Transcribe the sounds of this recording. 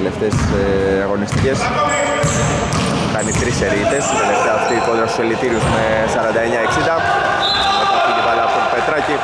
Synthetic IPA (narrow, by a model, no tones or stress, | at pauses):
left̪es | ɐɣo̞nist̪ice̞s | kɐnit̪ɾiseɾit̪e̞sit̪ele̞ft̪eɐːft̪iːko̞nd̪ɾɐst̪u̥selit̪iɾiuzme̞ | sɐɾɐnd̪ɐeɲɐe̞ksind̪ɐ | et̪it̪inipɐlɐːpot̪ope̞t̪ɾɐci